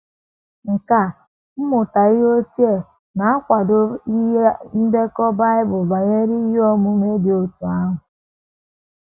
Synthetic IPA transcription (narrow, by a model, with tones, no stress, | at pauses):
ŋ̩˨ka˦˨ | m̩˦mʊ˨ta˨ɪ˦ɦo˦ti˦e˦˨ | na˨a˦kʷa˨dʊ˨i˦e˦m̩˦be˦kɔ˦ba˦ɪ˦bʊ˨ba˨ɲe˦ɾi˦i˦ɦɔ˦mʊ˦me˦dɪ˨o˨tu˨a˦ɦʊ˨